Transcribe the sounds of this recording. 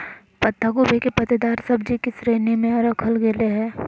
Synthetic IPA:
pɐt̪ːaɡobʱekepɐt̪ed̪aːɾsɐbd͡ʒikisɾeːnimẽɔɾəkʰəlɡeleɦɛː

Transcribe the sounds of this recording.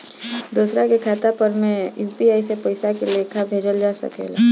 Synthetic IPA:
d̪uːsɾakekʰaːt̪apəɾmẽjuːpiaːisepəɪsakelekʰabʱeːd͡ʒəld͡ʒaːsə̰kḛːla̰

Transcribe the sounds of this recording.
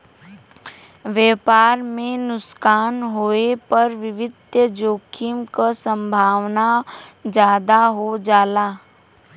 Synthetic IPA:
ʋɛːpaːɾmẽnʊskaːnɦoːepəɾʋɪʋɪd̪d͡ʒoːkʰimkasə̃mbʱaːʋnad͡ʒjaːd̪aɦod͡ʒaːlaː

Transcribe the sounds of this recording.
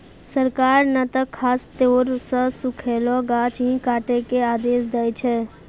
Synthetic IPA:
səɾkaːɾnət̪əkʰaːst̪oːɾsəsʊkʰeːloɡaːt͡ʃɦĩkaːʈekeaːd̪eːsd̪əjt͡ʃʰɛː

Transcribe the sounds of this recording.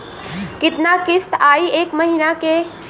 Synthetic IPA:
kɪt̪nakɪst̪aːieːkməɦinakeː

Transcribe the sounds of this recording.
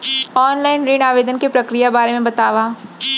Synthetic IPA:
ɔːnlaːɪnɾiːɽaːʋeːd̪ənkepɾɐkɾijabaːɾemẽbɐt̪aːʋa

